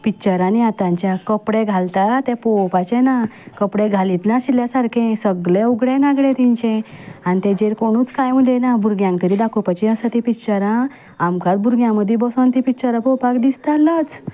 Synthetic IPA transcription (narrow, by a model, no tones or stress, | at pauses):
pit͡ɕəɾaniat̪ãɲt͡ɕjakəpɽeɡʱalt̪at̪ɛ̃pɔwpat͡ɕɛnakəpɽeɡʱalit̪naɕiljasaɾkʰẽsəɡɭẽuɡɽẽnaɡɽẽt̪iɲt͡ɕẽanit̪ɛ̃d͡ʑeɾkoɽ̃uːt͡skajməd̪enabʱuɾɡjãŋk̚t̪əɾiːd̪akʰupat͡ɕiəsat̪ipit͡ɕəɾã | amkat͡s̪bʱuɾɡjãməd̪ʱːibəsont̪ĩpit͡ɕəɾãpɔwpakd̪ist̪alət͡s